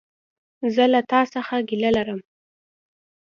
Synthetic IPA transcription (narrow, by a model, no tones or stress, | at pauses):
zəlat̪ɑsaxaɡilalaɾəm